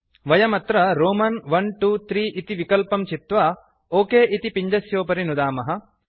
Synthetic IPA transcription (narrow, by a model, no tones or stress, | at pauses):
ʋɐjɐmɐt̪ɾɐɾoːmɐnʋɐnʈuːt̪ɾiːʔit̪iʋikɐlpɐmt͡ʃit̪ʋa | oːkeːʔit̪ipiɲd͡ʒɐsjoːpɐɾinud̪aːmɐɦɐ̆